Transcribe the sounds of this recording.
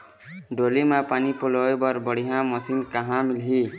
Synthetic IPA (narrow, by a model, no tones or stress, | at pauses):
ɖolimapanipolɔebɔɾbɔɽiɦãmɔsinkaɦãmilɦi